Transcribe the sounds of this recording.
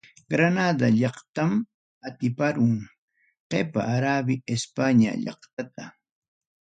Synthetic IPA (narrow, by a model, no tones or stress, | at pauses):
ɡɾanad̪aʎɑχt̪am | at̪ɪpaɾʊŋ | qepa̰ʔːɾabɪespaɲa̰ʎɑ̰χt̪at̪a